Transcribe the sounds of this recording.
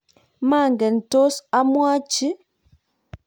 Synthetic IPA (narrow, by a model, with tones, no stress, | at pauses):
ma˦˨ŋɡɛ˨n̩˨to˦sa˦mwa˦t͡ʃi˦